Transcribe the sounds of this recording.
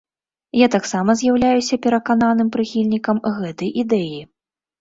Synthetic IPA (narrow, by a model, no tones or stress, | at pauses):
jat̪aksamɐzʲjawlʲajusʲɐpʲɛɾɐkan̪an̪ɨmpɾɨxʲilʲnʲikɐmɣɛt̪ɐjʔid̪ɛji